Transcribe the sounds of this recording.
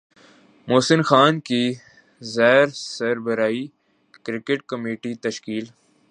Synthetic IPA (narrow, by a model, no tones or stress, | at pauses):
moːsɪnxaːnki | zɛːɾsɐɾbəɾaːi | kɾɪkɪʈ̚kɐmeːʈit̪ɐʃkiːl